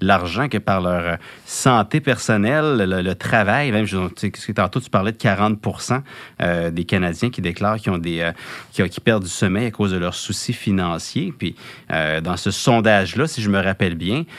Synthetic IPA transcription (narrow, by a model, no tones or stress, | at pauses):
laʁʒɑ̃kəpaʁlœːʁsɑ̃ːt̪epɛʁsɔnɛlːələt̪χavajmɛ̃ɪmʒɔ̃sesət̪ɑ̃t̪oy̥paʁlɛd̪əkaʁɑ̃t̪̚puʁsɑ̃ød̪ekanad͡zʲjɛ̃kʲid̪eklɑːʁkʲiɔ̃d̪eøkʲɔ̃kʲi̥pɛʁd̪̚d͡zysɔmɛjakoːzd̪əlœʁsusifinɑ̃sjepɥiø̰d̪ɑ̃səsɔ̃d̪aʒlasiʒəməʁapɛlbjɛ̃